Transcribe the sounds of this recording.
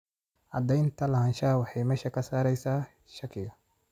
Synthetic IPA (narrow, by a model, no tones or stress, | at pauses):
ʔɐd̪ɛjnt̪ʰɐlɐhanʃaːwɑħɑjmɛːʃɐkʰɐsaːɾɛjsaː | ʃɐkʰːɪɣɐ